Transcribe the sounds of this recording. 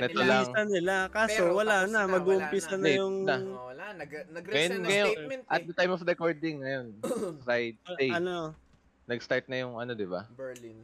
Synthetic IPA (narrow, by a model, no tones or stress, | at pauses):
nɛt̪olɐŋsɐnɪlakaːsowɐlaːnɐmɐɡuʔʊmpisɐnɐjʊŋɐ | ɐjonŋɐjonʔɐt̪̚d̪ɐt̪ajmɔfɾɛkoɹd̪ɪŋːɐjo̞nsajd̪̚st̪ejɐno | nɐɡst̪aɹt̪̚nɐjʊŋɐno̞d̪ɪba̰